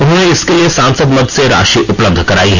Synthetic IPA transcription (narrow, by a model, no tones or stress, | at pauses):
ʊnɦõːneɪskeliesãːnsəd̪mɐd̪ʱseɾa̰ːʃiʔʊpləb̚d̪ʱkɐɾaːiɦɛ